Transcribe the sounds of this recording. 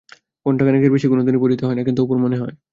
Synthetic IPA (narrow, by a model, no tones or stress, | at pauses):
konʈakanekeɾbeʃikonod̪̬inipoɾit̪oɦɔenakint̪uupoɾmoneɦɔe